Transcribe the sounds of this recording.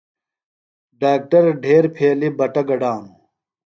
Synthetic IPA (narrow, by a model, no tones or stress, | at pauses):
ɖaːk̚ʈɐɾɖʱeːɾpʰeːlibɐʈɐɡɐɖaːnu